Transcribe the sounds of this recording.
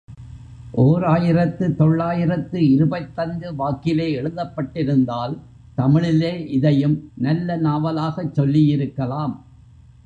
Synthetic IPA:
ʔoːɾaːjɪɾɐt̪ːɯt̪ɔɭːaːjɪɾɐt̪ːɯɪɾɯbɐt̪ːɐŋɡɯʋaːkɪleːɛɻɯðɐpːɐʈːɪɾɯnd̪aːl | t̪ɐmɪɭɪleːʔɪðɐjɯmnɐlːɐnaːʋɐlaːɣɐt͡ʃːɔlːijɪɾɯkːɐlaːm

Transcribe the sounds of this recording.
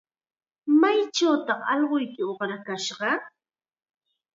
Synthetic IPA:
majt͡ʃawt̪ɑχɑ̰ʎɢojkɪoχɾakaʃɢɑ

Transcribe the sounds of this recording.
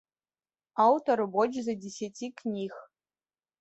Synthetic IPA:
awtʰoɾɨbod͡ʒzɐdʲesʲatʰʲiknʲiːx

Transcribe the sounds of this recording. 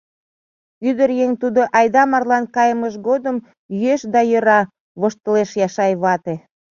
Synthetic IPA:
yd̪əɾjeŋt̪ud̪oʔɑjd̪ɑmɑrlɑnkɑjəməʃɡod̪əm | jyeʃd̪ɑjə̆ɾɑ | βoʃt̪əleʃjɑʃɑjβɑt̪e

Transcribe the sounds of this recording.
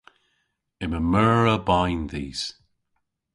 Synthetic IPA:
ɪməmɜːɹəbaɪnðiːz̥

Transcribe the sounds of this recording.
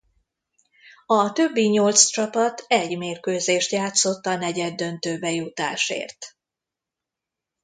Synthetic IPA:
ɒt̪ø̞bːiɲolt̪st͡ʃɒpɒt̪ɛɟmeːrkøːzeːʃt̪jaːt̪so̞t̪ːɒnɛɟɛd̪ːø̞nt̪øːbɛjut̪a̰ːʃḛːrt̪

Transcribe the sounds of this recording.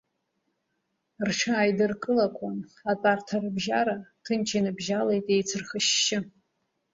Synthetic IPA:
rʈ͡ʂʷʰaːjdɨrkʼɨlakʷʰanatʼartʰarɨbʒaɾatʰɨnt͡ʃʰinɨbʒalejtʼejt͡sʰɨrχəʃːɪ

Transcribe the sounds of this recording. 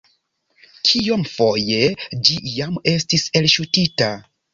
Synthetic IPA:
kʰio̞mfo̞je̞d͡ʒijame̞stise̞lʃutita

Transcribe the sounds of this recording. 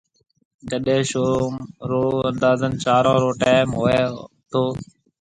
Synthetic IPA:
kəɗẽʃoːmɾoːənd̪aːzənt͡ʃaːɾɔ̃ːɾoːʈaːmɦoːeː | t̪ʰoː

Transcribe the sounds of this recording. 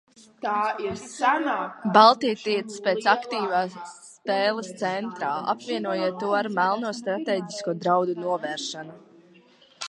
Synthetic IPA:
t̪aːisanaːbalˠt̪ijt̪iɛt̪speːt̪sakt̪iːvaː | pɛːlˠəst̪sɛnt̪ɾaːa̰pvʲiɛnuɔjiːt̪ːuɔaɾmælˠnuːst̪ɾat̪ɛːɟʲiskuɔd̪ɾawd̪unuɔvɛːɾʃanu

